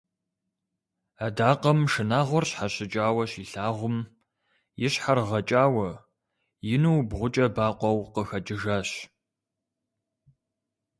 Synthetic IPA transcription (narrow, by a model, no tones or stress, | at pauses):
adaːqɐmʃɨnaːʁʷɔrɕħaɕɪt͡ʃʼaːwɐɕiːɬaːʁʷʊm | jɪɕħarʁɐt͡ʃʼaːwɐ | jɪnuwbʁʷʊt͡ʃʼɐbaːqʷɔwqəxɐd͡ʒɨʒaːɕ